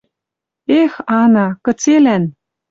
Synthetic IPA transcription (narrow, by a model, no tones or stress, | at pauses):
exɑnɑkə̆t͡selæn